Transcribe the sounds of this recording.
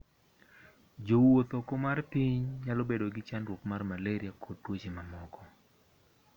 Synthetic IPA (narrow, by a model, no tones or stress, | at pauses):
d͡ʒowot̪okomarpiɲɲalɔbedoɡɪt͡ʃanrwopmarmaleɾiakʰotːwot͡ʃimamɔkɔ